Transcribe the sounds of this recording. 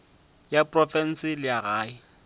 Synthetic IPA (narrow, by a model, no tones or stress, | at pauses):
japʼrɔfɛn̩sɪlɪaɣaːɪ